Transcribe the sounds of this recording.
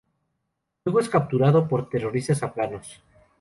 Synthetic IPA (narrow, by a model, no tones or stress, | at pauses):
weɣoe̞skap̚t̪uɾaðopo̞ɾt̪e̞ro̞ɾist̪asaplano̞s